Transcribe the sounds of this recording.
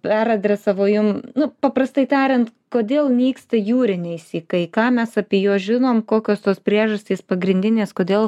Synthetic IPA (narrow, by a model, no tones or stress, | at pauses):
pʲæɾɐd̪ʲrʲɛsɐʋoːjʊmnʊpɐpɾɐst̪ɐɪt̪ʲɑːɾʲɪnt̪koːd̪ʲeːlˠmʲiːkst̪ɐjuːɾʲɪnʲɛɪsʲiːkɐɪkɑːmʲɛsɑpʲiːjuɔʒʲɪnoːmkoːkʲoːst̪oːspʲɾʲiɛʒɐsʲt̪ʲiːspɐɡɾʲɪnʲd̪ʲɪnʲeːskoːd̪ʲeːlˠ